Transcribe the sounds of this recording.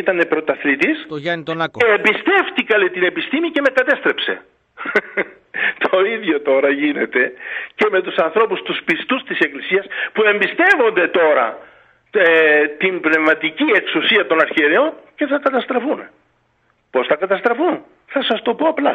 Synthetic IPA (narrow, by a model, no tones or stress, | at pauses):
it̪ɐnepɾo̞t̪ɐθlit̪isntebist̪e̞ft̪ikɐlet̪ine̞pist̪imice̞me̞kɐt̪e̞st̪ɾe̞pse̞̰ | t̪ʰo̞iðʝo̞t̪o̞ɾɐʝine̞t̪e̞ce̞me̞t̪usɐnθɾo̞pust̪uspist̪ust̪ise̞klisiɐspue̞mbist̪e̞vo̞nd̪e̞t̪o̞ɾɐ̰ | t̪imbne̞vmɐt̪icie̞ksusiɐt̪o̞nɐɾçieɾeo̞nce̞θɐkɐt̪ɐst̪ɾɐfun | po̞sθɐkɐt̪ɐst̪ɾɐfun | θɐsɐst̪o̞po̞ɐplɐ